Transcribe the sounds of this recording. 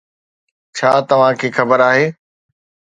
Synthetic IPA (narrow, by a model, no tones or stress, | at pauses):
t͡ɕʰaːt̪ɐʋ̤ãkʰeːxɐbəɾaːɦeː